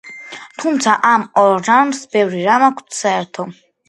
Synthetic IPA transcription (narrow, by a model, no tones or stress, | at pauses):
t̪ʰumt̪sʰaʔamɔɾːansbɛvɾiɾamakʰt̪ʰsaɛɾt̪ʰɔ